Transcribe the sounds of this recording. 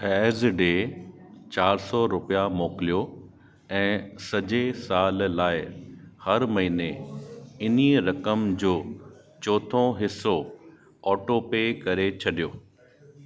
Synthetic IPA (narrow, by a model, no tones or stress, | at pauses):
ɛːzɖeː | t͡ɕaːɾsɔɾʊpijamoːkɪlijo | ɛ̃ːsɐd͡ʑesaːllaːɪhɐɾmɐɦiːne | ɪniɾɐkəmd͡ʑoː | t͡ɕɔːt̪ʰõɦɪsːo | ɔːʈopeːkɐɾet͡ɕʰɐɗijoː